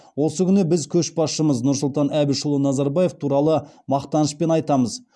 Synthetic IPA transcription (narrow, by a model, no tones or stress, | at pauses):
wo̞səkʲʰʏnəbɪzkʲʰɵʃbɑsʃəməznʊɾsʊlˠt̪ɑnæbɪʃəʊlˠənɑzɑɾbɑje̞ft̪ʰuɾɑlˠə | mɑqt̪ɑnəspe̞nɑjt̪ɑməz